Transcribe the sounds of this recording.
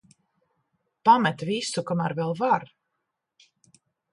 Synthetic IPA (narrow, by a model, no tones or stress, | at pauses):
pamɛt̪visukamæɾvɛlˠvaɾ